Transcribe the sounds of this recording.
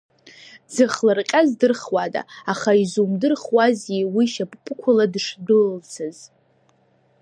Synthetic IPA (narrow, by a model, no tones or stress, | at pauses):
d͡zɨχlarqʲʼazdɨrχwada̰aχaizumdɨrχwazewiʃapʼpʰʼɨkʷʰʊladʂdɨlt͡sʰɨz